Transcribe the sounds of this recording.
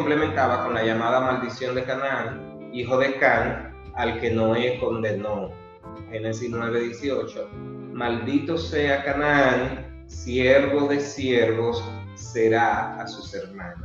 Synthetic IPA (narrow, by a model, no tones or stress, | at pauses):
omplemẽnt̪aβako̞nlaʝamaðamald̪isjo̞nd̪e̞kanaaŋ | iɦo̞ðe̞kaŋ | alke̞no̞esko̞nd̪e̞no | he̞nesisnwe̞β̞e̞ðjesio̞t͡ʃo̞mald̪it̪o̞se̞akanaaŋ | sjeɾβo̞ðe̞sjeɾβo̞sː | e̞ɾaːsuse̞ɾmãno